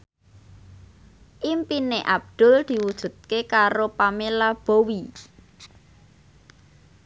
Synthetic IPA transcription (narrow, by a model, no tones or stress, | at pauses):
ʔimpineʔab̚d̪̥ʊ̤ld̪̥i̤wud̥ʒ̥ṳt̪̚kekaɾopamelab̥o̤wi